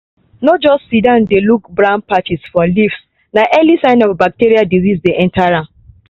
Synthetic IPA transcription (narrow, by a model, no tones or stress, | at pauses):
nɔt̚d͡ʒɔstsidãndelukbɹãʊ̃n̚pat͡ʃisfɔlifs | naʔɛlisãɪ̃nɔvbak̚teɹiadizisdeʔɛ̃ntʰaɹãn